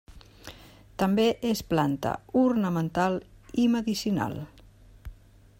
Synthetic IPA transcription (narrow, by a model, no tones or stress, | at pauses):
t̪əmbeʔesplant̪ə̰urnəmənt̪alˠiməðisina̰lˠ